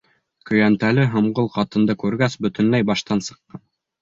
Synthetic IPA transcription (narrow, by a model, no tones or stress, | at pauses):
kɵ̆jænt̪ælɘɦɤ̆mʁɤlˠqɑt̪ɤ̆nd̪ɤkʉɾɡæsbɵ̆t̪ɵ̆nlæjbɑʃt̪ɑnsɤ̆qːɑn